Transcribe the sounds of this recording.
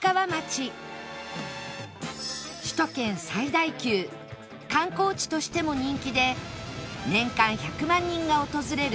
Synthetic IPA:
kaβamat͡ɕi | ɕi̥t̪o̞kẽ̞ɰ̃said̪aikʲɨː | kãŋko̞ːt͡ɕi̥t̪o̞ɕi̥t̪e̞mo̞ɲ̟ĩŋkʲid̪e̞ | nẽ̞ŋkãɰ̃çakɯ̟mãɲ̟ːĩŋɡao̞t̪o̞zɨɾe̞ɾɯ

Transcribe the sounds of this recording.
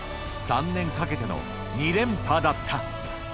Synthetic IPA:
sãnːẽ̞ŋkake̞t̪e̞no̰ | ɲ̟iɾẽ̞mpad̪at̪ʰːa

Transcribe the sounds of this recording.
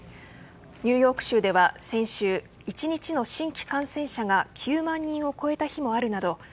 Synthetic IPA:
ɲ̟ɨːjo̞ːkɯ̟̥ɕɨːd̪e̞βasẽ̞ɰ̃ɕɨː | it͡ɕiɲ̟it͡ɕino̞ɕĩŋkʲi̥kãɰ̃sẽ̞ɰ̃ɕaɡakʲʰɨːmãɲ̟ːĩɰ̃o̞ko̞e̞t̪açimo̞aɾɯ̟nad̪o̞

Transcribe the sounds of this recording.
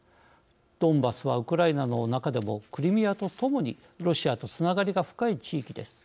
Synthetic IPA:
d̪̥õ̞mbasɨβaɯ̟kɯ̟ɾainano̞nakad̪e̞mo̞kɯ̟ɾʲimʲijat̪o̞t̪o̞mo̞ɲ̟ḭ | ɾo̞ɕiat̪o̞t͡sɨnaɡaɾʲiɡaɸɯ̟̥kait͡ɕiːkʲid̪e̞sɨ̥

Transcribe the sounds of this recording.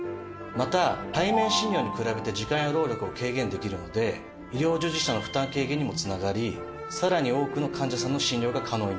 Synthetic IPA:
mat̪at̪aimẽ̞ɰ̃ɕĩɲʲjo̞ːɲ̟ikɯ̟ɾabe̞t̪e̞d͡ʑikãɰ̃joɾo̞ːɾʲo̞kɯokʰe̞ːɡẽ̞nd̪e̞kʲiɾɯ̟no̞d̪e̞ | iɾʲjo̞ːd͡ʑɨʑiɕano̞ɸɯ̟t̪ãŋke̞ːɡeɲ̟imo̞t͡sɨnaɡaɾʲi | saɾaɲ̟io̞ːkɯ̟no̞kʰãɲ̟d͡ʑasãnːo̞ɕĩɲɾʲo̞ːɡakʰano̞ːi

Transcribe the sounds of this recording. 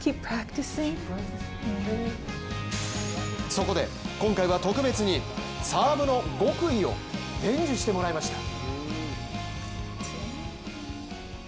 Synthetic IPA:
kʰippʰɾ̥æktisɪ̃ŋ | so̞ko̞d̪e̞̰kõ̞ŋkaiβat̪o̞kɯ̟be̞t͡sɨɲ̟i | saːbɯno̞ɡo̞kɯ̟io̞̰ | d̪ẽ̞ɲd͡ʑɨɕi̥t̪e̞mo̞ɾaimaɕi̥t̪ḁ

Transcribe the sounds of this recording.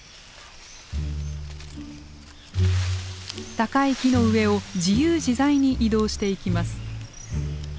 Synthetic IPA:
t̪akaikʲino̞ɯ̟e̞o̞d͡ʑijɯːʑizaiɲ̟ːiʔid̪o̞ːɕi̥t̪e̞ikʲimasɨ̥

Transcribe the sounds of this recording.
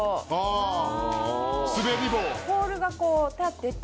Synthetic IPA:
a | sɨbeɾʲibokoːɾɯ̟ɡakoːt̪at̪ːet̪

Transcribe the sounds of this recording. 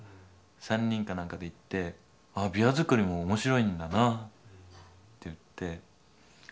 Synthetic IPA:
sãɲ̟ːĩŋkanãŋkad̪e̞it̪ːe̞ | abʲiazɨkɯ̟ɾʲimo̞ːmo̞ɕiɾo̞ĩnd̪ana | t̪ːejɯ̟t̪ːe̞

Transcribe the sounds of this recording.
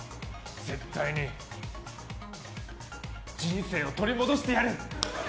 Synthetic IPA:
d͡ze̞t̪ːaiɲ̟i | d͡ʑĩñse̞ːo̞t̪oɾʲimo̞d̪o̞ɕi̥t̪e̞jaɾɯ

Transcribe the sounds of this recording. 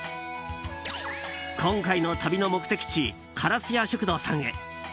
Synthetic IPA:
kʰõ̞ŋkaino̞t̪ʰabʲino̞mo̞kɯ̟̥t̪e̞kʲi̥t͡ɕi | kʰaɾasɨjaɕokɯ̟d̪o̞ːsãŋɡḛ

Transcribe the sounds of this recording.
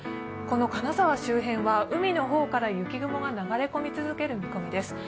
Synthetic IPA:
ko̞no̞kanazaβaɕɨːɦẽ̞βaɯ̟mʲino̞ɦo̞ːkaɾajɯ̟kʲiɡɯ̟mo̞ɡanaɡaɾe̞ko̞mʲit͡sɨzɨke̞ɾɯ̟mʲiko̞mʲid̪e̞sɨ̥

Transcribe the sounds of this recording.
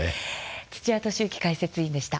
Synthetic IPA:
t͡ɕi̥t͡ɕiβat̪o̞ɕɨːkʲi̥kaise̞t͡sɨĩnd̪e̞ɕi̥t̪a

